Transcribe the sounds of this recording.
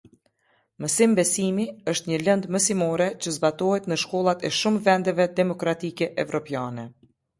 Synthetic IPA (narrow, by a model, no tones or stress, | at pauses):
məsimbɛsimiəʃt̪ɲələnd̪məsimɔɾɛt͡ɕəzbat̪ɔhɛt̪nəʃkɔlˠat̪ɛʃumvɛnd̪ɛvɛd̪ɛmɔkɾat̪ikɛʔɛvɾɔpjanɛ